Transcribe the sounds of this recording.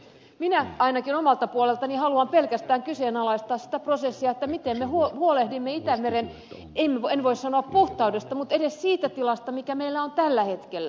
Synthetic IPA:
minæɑinɑkinomɑlt̪ɑpuolelt̪ɑnihɑluɑmpelkæst̪æːŋkyseːnɑlɑist̪ɑːssi̥t̪æprosesːiɑet̪ːæmit̪emmehuohuolehdimːeit̪æmeɾen | emːeenʋoissɑnoɑppuht̪ɑudest̪ɑmut̪edessiːt̪æt̪ilɑst̪ɑmikæmeilːæont̪ælːæhet̪kelːæ

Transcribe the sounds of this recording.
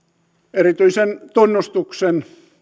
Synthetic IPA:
erit̪yisent̪onːust̪uksen

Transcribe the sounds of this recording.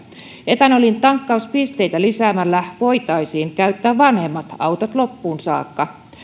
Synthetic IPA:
et̪ænolint̪ɑŋkːɑuspist̪e̞jt̪ælisæːmælːæʋo̞jt̪ɑjsiːŋkæyt̪ːæːʋʋɑnhe̞mːɑt̪ɑwt̪ɑt̪lo̞pːuːnsɑ̰ːkːɑ

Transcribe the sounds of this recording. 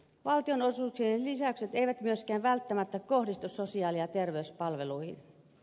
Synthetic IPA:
ʋɑlt̪ionosuːksienlisæykset̪eiʋæt̪myøskæːʋʋælt̪ːæmæt̪ːækohdist̪ussosiɑːliɑt̪erʋeyspɑlʋeluihḭn

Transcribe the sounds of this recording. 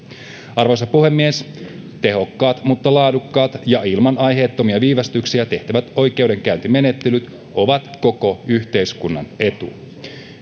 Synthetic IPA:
ɑrʋo̞jsɑpuhe̞mːies | t̪e̞ɦo̞kːɑːt̪mut̪ːɑlɑːdukːɑːt̪jɑilmɑnɑjɦe̞ːt̪ːo̞miɑʋiːʋɑst̪yksiæt̪e̞ht̪æʋæt̪o̞jk̟e̞wde̞ŋkæynt̪ime̞net̪ːelyt̪ | o̞ʋɑt̪ko̞ko̞yçt̪e̞jskunːɑ̰ne̞t̪ṵ

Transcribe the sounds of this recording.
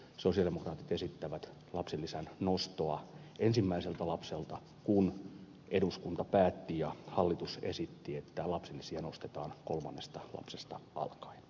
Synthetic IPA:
sosiɑldemokrɑːt̪i̥t̪esit̪ːæʋæt̪ | lɑpsilːisænnost̪oɑ | ʔensimːæiselt̪ɑlɑpselt̪ɑ | kun | ʔeduskunt̪ɑpæːt̪ːijɑhɑlːit̪usḛsit̪ːiet̪ːælɑpselːisiɑnost̪et̪ɑːnkolmɑnːest̪ɑlɑ̰psest̪ɑɑ̰lkɑ̥in

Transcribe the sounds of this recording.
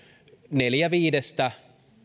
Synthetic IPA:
neljæʋiːdest̪æ

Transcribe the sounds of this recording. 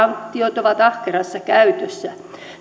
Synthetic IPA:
ɑŋkt̪ːiot̪oʋɑt̪ɑhkerɑsːɑkæyt̪øsːæ

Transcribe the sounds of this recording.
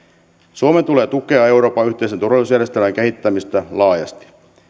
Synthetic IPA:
suoment̪uleːt̪uke̞ɑe̞wɾo̞ːpɑyht̪e̞is̬et̪urʋɑliusjæɾrjest̪elæŋkehit̪ːæmist̪ælɑːjɑ̰st̪i̥

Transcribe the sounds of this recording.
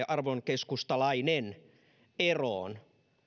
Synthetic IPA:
ʔɑrʋoŋkeskust̪ɑlɑinen | eroːn

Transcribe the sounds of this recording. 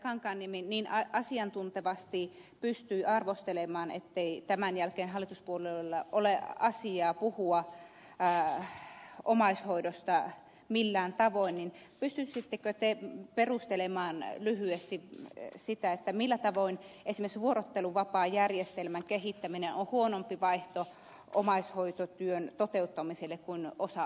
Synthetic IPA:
kɑŋkɑːnːiminniːnɑʔɑsiɑnt̪unt̪eʋɑst̪ipyst̪yːɑrʋost̪elemɑːnḛt̪ːeit̪æmænjælkeːnɦɑlːˑit̪uspuolelːɑʔoleɑsiɑːpuhuɑː | omɑishoidost̪ɑ | milːæːnt̪ɑʋoinnin | pyst̪ysit̪ːekøt̪eperust̪elemɑːnlyhyest̪isit̪æet̪ːæmilːæt̪ɑʋoinesimeksʋuorot̪ːeluʋɑpɑːjærjest̪elmæŋkehit̪ːæminenʔohuonompiʋɑiht̪o | ʔo̰mɑishoit̪ot̪yønt̪ot̪eut̪ːɑmiselːekkuinosɑ

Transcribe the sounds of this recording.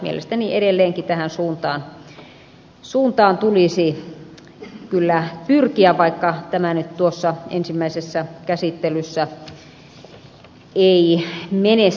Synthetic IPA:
mḭḛlḛst̪ænieɾelːeːŋkit̪æhænsuːnt̪ɑːn | suːnt̪ɑːnt̪ulisi | kylːæpyrkiæʋɑikːɑt̪æmænyt̪t̪uosːɑḛnsimːæisesːækæsit̪ːelysːæ | eimene

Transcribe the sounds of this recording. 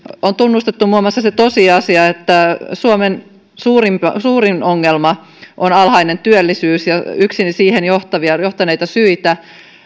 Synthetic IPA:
ont̪unːust̪et̪ːumuɑmɑsːɑset̪osiɑsiɑet̪ːæsuomen | suːrimpsuːrinoŋːelmɑ | ʔonɑlhɑine̞nt̪yølːisyːsjɑyksinsiːhenjoht̪ɑʋiɑjoht̪ɑnejt̪ɑsyit̪æ

